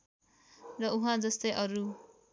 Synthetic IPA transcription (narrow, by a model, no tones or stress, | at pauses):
rʌuɦãd͡zʌst̪ʌjʔʌɾu